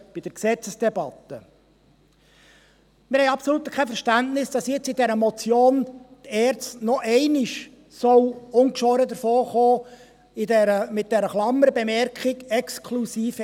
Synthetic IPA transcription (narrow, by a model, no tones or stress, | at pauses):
b̥id̥əɾksɛt͡səsd̥ɛbɑt̪ːə | mɪɾhɛɪjɑpsɔluːt̪əkʰɛfəɾʃtæntnɪsd̥ɑsjɪt͡sidɛɾəmɔt͡sjoːnt̪ɛːɾt͡stnɔʔɛɪnɪʃ | sɔwʊŋkʃʋɔːɾəd̪əɾfoːχoː | idɛɾəmɪt̚d̥ɛɾəχlɑmːəɾəbɛmɛɾkχɪɡɛkskʰlusiːf